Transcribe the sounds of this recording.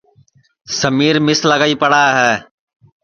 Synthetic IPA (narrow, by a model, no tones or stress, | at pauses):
səmiːɾmɪsləɡaːiːpəɽaːɦɛː